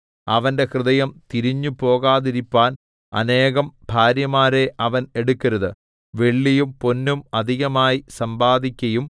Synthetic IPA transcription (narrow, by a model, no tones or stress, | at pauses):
ɐʋɐnde̞krɨðɐjɐmt̪iɾiɲːupo̞ːɣaːðiɾipːaːn | ɐ̰ne̞ːɣɐmb̥ʱaːɾjɐmaːɾe̞ʔɐʋɐneɽukːɐɾɐðɨ | ʋe̞ɭːijumpo̞nːumɐd̪ʱiɣɐmaːjisɐmbaːd̪ʱikʲːɐjum